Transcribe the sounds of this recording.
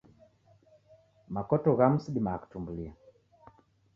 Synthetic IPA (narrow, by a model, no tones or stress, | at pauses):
makɔtɔɣam̩siɗimaku̥tumbulia